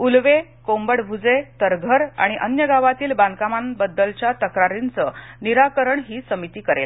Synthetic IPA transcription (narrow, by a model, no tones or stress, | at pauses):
ulʋekombəɽbʱud͡zet̪əɾɡʱəɾa̰ɽ̃iʔənjəɡaʋat̪iːlbankamanbəd̪ːəlt͡ɕjat̪əkɾaɾint͡səniɾakəɾəɳɦiːsəmit̪iːkəɾel